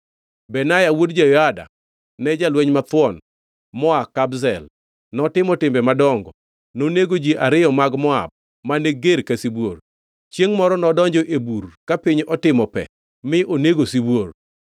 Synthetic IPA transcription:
bɛnajawodd͡ʒajɔada̰ | nɛd͡ʒalweɲmat̪wɔn | mɔakːabzɛl | nɔtɪmɔtɪmbɛmadɔŋɡɔ | noneɡod͡ʒiʔaɾɪɔmaɡmɔa̰b̚ | maneɡeɾkasibwor | t͡ʃjeŋmɔɾɔnɔdɔɲd͡ʒɔʔeburkapiɲɔtɪmɔpɛ̰ | mɪʔoneɡosibwor

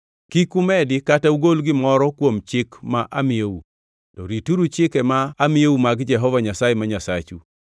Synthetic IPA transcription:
kikumɛdɪkatauɡolɡɪmɔɾɔkwomt͡ʃɪkmaʔamɪeu | tɔɾituɾut͡ʃɪkɛmaːmɪjewumaɡd͡ʒɛɦɔvaɲasajɛmaɲasat͡ʃu

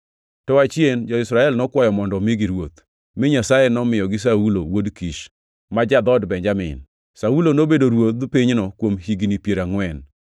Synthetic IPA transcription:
tɔat͡ʃjend͡ʒɔɪsɾaɛlnɔkwajɔmɔndɔmiɡiɾwot̪ | mɪɲasajenɔmɪjɔɡɪs̬aulowodkiʃ | mad͡ʒad̪ɔdbɛɲd͡ʒamɪ̰n | saulonobedoɾwot̪̚dpiɲnɔkwomhiɡnipjeɾaŋwɛn

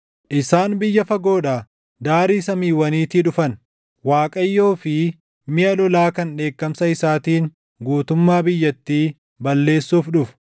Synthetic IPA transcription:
ʔɪsaːnbɪjːɐfɐɡo̞ːᶑaː | d̪aːɾiːsɐmiːwɐniːt̪ɪᶑʊfɐn | waːkʼɐjːo̞ːfɪ | mɪʔɐlɔlaːkɐnᶑe̞ːkːɐmsɐɪsaːt̪iːn | ɡuːt̪ʊmːaːbɪjːɐt̪ːiː | bɐlːe̞ːsːuːfᶑʊfʊ̥

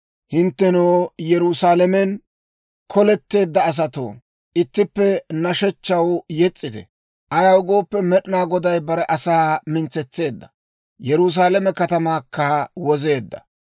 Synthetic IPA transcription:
hɪnt̪ːɛnoːjɛɾusaːlɐmɛn | kʰɔlɛt̪ːe̞ːd̪ːɐːs̬ɐt̪o̰ː | ʔɪt̪ːɪpːɛnɐʃɛt͡ʃːɐwjɛt͡sʼːɪt̪ɛ̰ | ʔɐjɐwʊɡo̞ːpːɛmɛɗɪnaːɡɔd̪ɐjbɐɾɛʔɐsaːmɪnt͡sːɛt͡sːe̞ːd̪ːɐ̥ | jɛɾus̬aːlɛmɛkɐt̪ɐmaːkːɐwɔze̞ːd̪ːɐ̰

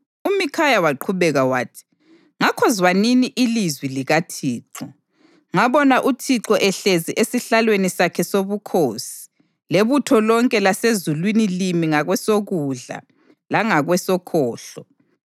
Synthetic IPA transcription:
umikʰajawaǃʰuβɛɣawa̰ːtʰi̥ | ŋakʰɔzwaniniʔilizwiliɣatʰiːǁɔ | ŋaβɔnaʔutʰiǁɔʔɛɬeziʔesiɬalwenisakʰɛsoβukʰoːsi̥ | leβutʰɔlɔŋkʼɛlasezulwinilimiŋaɣwɛsoɣuɮa̰ | laŋaɣwɛsɔkʰɔːɬɔ

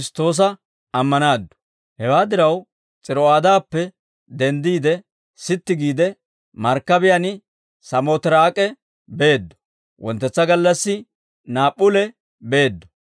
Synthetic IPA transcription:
st̪o̞ːs̬ɐ | ɐmːɐnaːd̪ːɔ̥ | hɛwaːd̪ɪɾɐw | t͡sʼɪɾɔaːd̪aːpːɛ | d̪ɛnd̪iːd̪ɛ | sɪt̪ːɪɡiːd̪ɛ | mɐɾkːɐbɪjanɪ | sɐmot̪ɪɾaːkʼɛ | be̞ːd̪ːɔ̥ | wʔɔnt̪ːɛt͡sːɐɡɐlːɐsːɪ | naːpʼːʊlɛ | be̞ːd̪ːɔ̥

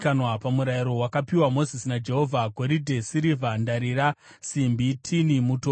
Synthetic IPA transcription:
kanwapamuɾaiɾo̞wakapiwamo̞zisinad͡ʒe̞ɦo̞vʱaɡʱo̞ɾidʱe̞siɾivʱandaɾiɾa | simbitʰinimuto

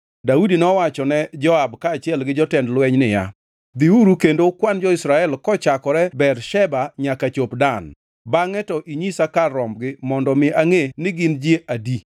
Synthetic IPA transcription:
daudinɔwat͡ʃɔnɛd͡ʒɔabkaːt͡ʃjɛlɡɪd͡ʒɔtɛndlwɛɲnɪja̰ | d̪iuɾukendokwand͡ʒɔisɾaɛlkɔt͡ʃakɔɾɛbɛrʃɛbaɲakat͡ʃopdan | baŋɛtɔʔiɲisakaɾɔmɡɪmɔndɔmɪʔaŋenɪɡɪnd͡ʒjeʔadi

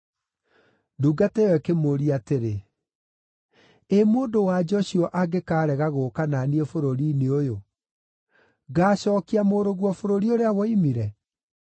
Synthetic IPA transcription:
duːɡatɛɛkemoɾiateɾe | emoːndowad͡ʒɔɕiɔʔaɡekaːɾɛɣaɣoːkananiefoɾoɾineojo | ɡaːɕɔːkiamoɾoɣwɔfoɾoɾioɾeawɔimiɾɛ

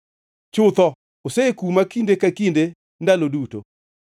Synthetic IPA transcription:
t͡ʃʊt̪ɔ | osekumakindekakinde | ndaloduto̰

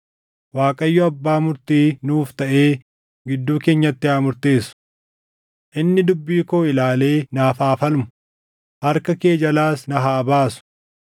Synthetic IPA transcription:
waːkʼɐjːɔɐbːaːmʊɾt̪iːnuːft̪ɐʔe̞ː | ɡɪd̪ːuːke̞ːɲːɐt̪ːɪaːmʊɾt̪eːsʊ̥ | ʔɪnːɪd̪ʊbːiːko̞ːɪlaːle̞ːnaːfaːfɐlmʊ | hɐɾkɐke̞ːd͡ʒɐlaːsnɐɦaːbaːsʊ̥

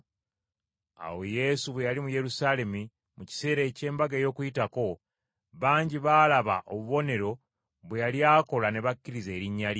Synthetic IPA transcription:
a̰wo̞je̞suβwe̞jalimuje̞ɾusaːle̞mi | muci̥se̞ːɾe̞ːce̞ːmbaɡeːjo̞ːkujitako̞ | βaːɲɟiβaːlaβa̰ʔo̰βuβo̞ne̞ɾo̞ | βwe̞jaljaːko̞lane̞βakːiɾize̞ːɾiɲːali

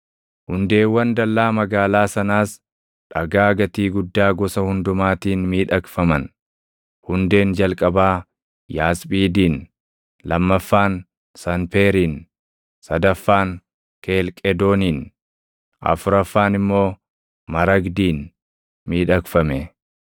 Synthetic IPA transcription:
hʊnd̪e̞ːwːɐnd̪ɐlːaːmɐɡaːlaːsɐnaːs | ᶑɐɡaːɡɐt̪iːɡʊd̪ːaːɡɔsɐhʊnd̪ʊmaːt̪iːnmiːᶑɐkfɐmɐn | hʊnd̪e̞ːnd͡ʒɐlkʼɐbaː | jaːsbiːd̪iːn | lɐmːɐfːaːn | sɐnpe̞ːɾiːn | sɐd̪ɐfːaːŋ | keːlkʼɛd̪o̞ːniːn | ʔɐ̰fʊɾɐfːaːnɪmːo̞ː | mɐɾɐɡd̪iːn | miːᶑɐkfɐmɛ

